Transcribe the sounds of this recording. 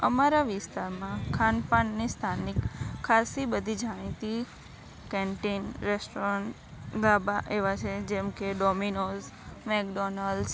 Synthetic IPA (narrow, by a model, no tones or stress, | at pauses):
əmaɾaʋɪst̪aɾmãkʰanpaɳnist̪ʰanikʰːasibəd̪ʱid͡ʒʱaɽ̃it̪i | kɛɳʈinɾɛsʈɔɾəɳʈ | d̪abaʔeʋat͡ʃʰed͡ʒɛmkeɖɔminozmɛkɖɔnəls